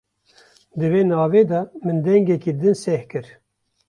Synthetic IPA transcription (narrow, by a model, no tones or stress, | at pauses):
d̪ɨveːnɑːveːd̪ɑmɨnd̪ɛŋɡɛkiːd̪ɨnsɛhkɨɾ